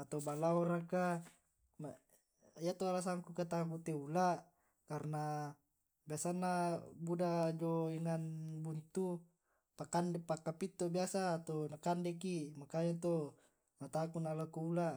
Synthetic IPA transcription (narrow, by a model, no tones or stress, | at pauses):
at̪obalaoɾaka | ma | ijat̪oalas̬aŋkukat̪aŋkut̪eulaʔ | karna | biasanːabudad͡ʒoiŋanbunt̪u | pakandepakːapit̪ːobiasaːt̪onakandɛkimakajat̪o | mat̪akunalakuula